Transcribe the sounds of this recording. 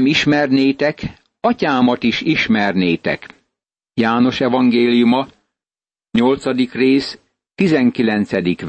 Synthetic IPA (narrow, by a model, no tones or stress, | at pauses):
miʃmɛrneːt̪ɛk | ɒcaːmɒt̪iʃiʃmɛrneːt̪ɛ̰k | jaːno̞ʃɛvɒŋɡeːlijumɒ | ɲo̞lt̪sɒd̪ikreːs | t̪izɛŋkilɛnt̪sɛd̪ik